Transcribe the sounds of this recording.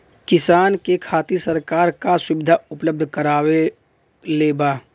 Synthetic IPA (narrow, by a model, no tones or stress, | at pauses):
kɪsaːnkekʰaːt̪isəɾkaːɾkasʊʋɪd̪ʱaʊpləb̚d̪ʱkəɾaːwe | leːbaː